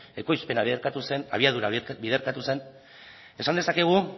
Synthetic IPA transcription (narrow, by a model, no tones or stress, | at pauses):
e̞ko̞jspe̞naβiɾkat̪use̞na̰βiaðuɾabiðe̞ɾkat̪use̞n | e̞sand̪e̞sake̞ɣ̞u